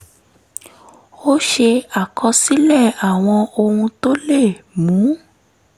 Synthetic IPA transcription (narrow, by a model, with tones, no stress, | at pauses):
o˦ʃe˧a˨kʰɔ˧si˦lɛ˦˨a˨w̃ɔ̃˧o˧hũ˧to˦le˦˨mũ˨˦